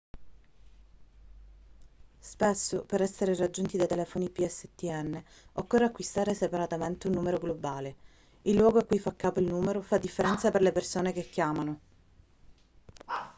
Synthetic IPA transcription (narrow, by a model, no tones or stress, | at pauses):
spesːopeɾɛsːeɾerad͡ʒːunt̪id̪ajt̪elɛfonipiɛsːet̪iɛnːe | okːorːeakːwist̪aːɾesepaɾat̪ament̪eunːuːmeɾoɡlobaːle | ilːwɔːɡoakːujfakːaːpoilnuːmeɾofad̪ːifːeɾɛnt̪saperlepersoːnekekːjaːmano